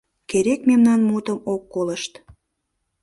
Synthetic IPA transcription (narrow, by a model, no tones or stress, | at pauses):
keɾekmemnɑnmut̪əmokːoləʃt̪